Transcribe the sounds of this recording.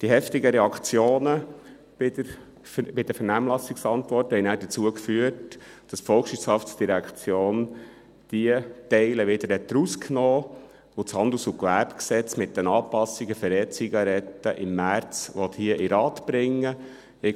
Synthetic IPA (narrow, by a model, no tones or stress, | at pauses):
d̥iɦɛftɪɡəɾɛɑkt͡sjoːnə | b̥ɪdəɾ | bɪd̥əfənæːmlɑsɪksɑntʋɔrthɛɪjnæːdət͡suəkfyət | d̥ɑsfɔlˠkʃʋɪshɑftsd̥iɾækt͡sjoːn | d̥iətɛɪləʋɪd̪əɾhɛt̪dɾuskʰnoː | ʊt͡shɑnd̪l̩usʊkʋæɾbksɛt͡smɪt̚ːənɑːpɑsiɡəfəɾɛːt͡siɡɑɾɛtːəʔɪmːæɾt͡sʋɔt̪hiəʔɪɾɑːt̪b̥ɾɪŋːə | ɪ